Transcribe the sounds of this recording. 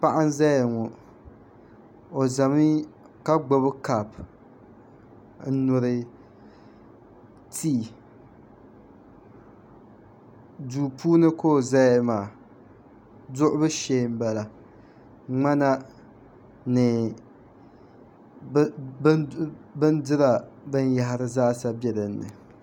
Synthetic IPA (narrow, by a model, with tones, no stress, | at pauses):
pa˦ʔa˦n˦za˦jŋɔ˨ | o˨za˨mi˦ | ka˦ɡ͡bo˦bɨ˦ka˨p | n̩˦nʊ˨ɾɨ˨ | tʰiː˦ | duː˨pʰuː˦nɨ˦koː˦˨za˦maː˨ | dʊ˦ʔʊ˦bɨ˦ʃe˦m̩˦ba˨la˨ | ŋ͡ma˦na˦ | nɨ˨ | bbɨ˦n˦dɨ˦ɾa˨bɨ˦n˦ja˦ɦɪ˦ɾɨ˦zaː˦sa˦bjɛ˦dɨ˨nːɨ̰˨